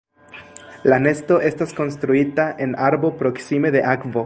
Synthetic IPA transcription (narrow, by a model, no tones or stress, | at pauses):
lane̞sto̞ʔe̞stasko̞nst̪ɾuitaʔe̞naɾbo̞pɾo̞ksime̞d̪e̞ʔakvo̞